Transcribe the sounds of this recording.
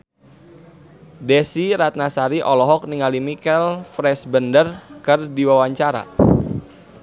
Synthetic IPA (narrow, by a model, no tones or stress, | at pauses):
dɛsiɾat̪̚nasaɾiʔɔlɔɦɔk̚niŋalimikɛlfɾɛsbəndərkərdiwawaɲt͡ʃaɾa̰